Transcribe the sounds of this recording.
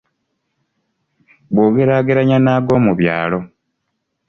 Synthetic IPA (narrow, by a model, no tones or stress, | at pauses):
bwoːɡe̞ɾaːɡeɾaɲanaːɡo̞ːmuβja̰ːlo̞